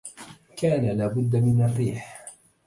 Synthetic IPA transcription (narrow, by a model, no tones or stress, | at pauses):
kaːnalaːbʊd̪ːamɪnarːiːħ